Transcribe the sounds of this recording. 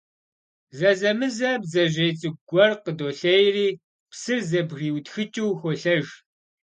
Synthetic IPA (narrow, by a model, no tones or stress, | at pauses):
zɐzɐmɨzɐbzɐʒejt͡sʼɨɡɡʷɔrqədoːɬɐjriː | psɨrzɐbriːwtxɨt͡ʃʼuwxʷoɬɐʒ